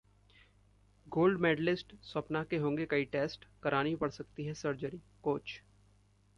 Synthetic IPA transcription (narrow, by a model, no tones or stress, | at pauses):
ɡoːlɖmeːɖlɪsʈsɐpnakeɦõːŋɡekɐiʈeːsʈkɐɾaːnipɐɽsɐk̚t̪iɦɛsɐɾd͡ʒəɾi | koːt͡ʃ